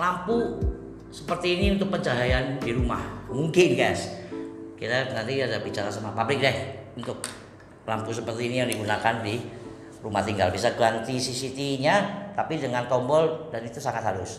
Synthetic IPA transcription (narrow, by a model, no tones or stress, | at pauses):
lampu | səpərt̪iːniunt̪ʊk̚pəd͡ʒaɦajandiɾumahmuŋkɪnɡajs | kit̪anant̪iadabit͡ʃaɾasamapablɪk̚dɛhunt̪ʊk̚ | lampus̬əpərt̪iːnijaŋdiɡunakandi | rumaht̪iŋɡa̰lbisaɡant̪isisit̪iɲat̪apidəŋankɔmbɔldanit̪usaŋat̪haɾʊs